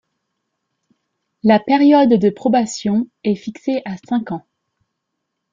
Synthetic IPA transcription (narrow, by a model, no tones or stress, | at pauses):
lapeʁjɔd̪ːəpχɔbasjɔ̃ɛfikseʔasɛ̃kɑ̃